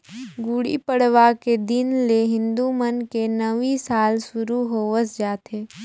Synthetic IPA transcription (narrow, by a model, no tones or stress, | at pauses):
ɡuɽḭpəɽʋaked̪ɪnleɦɪ̃nd̪umənkenəʋisaːlsʊɾuɦoːʋəsd͡ʒaːt̪eː